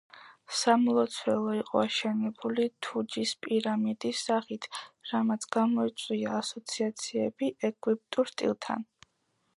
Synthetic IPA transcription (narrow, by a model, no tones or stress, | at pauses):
samɔlˠɔt̪sʰwɛlˠɔiqʼɔ̰aʃɛnɛbulit̪ʰud͡ʒispʼiɾamid̪isːaχit̪ʰɾamat̪sʰɡamɔit̪sʼwiaːsɔt̪sʰiat̪sʰiɛbiʔɛkʼwip̚t̪ʼuɾst̪ʼḭlˠt̪ʰa̰n